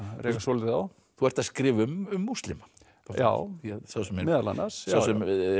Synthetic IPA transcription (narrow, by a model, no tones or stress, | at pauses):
ɾɛkasɔlɪðaw | θuɛɾ̥t̪askɾɪːvɪʏmʏmːust̪lɪma | aa̰ːwθaðsawsɛmɛmɛːðala̰nːasawsɛm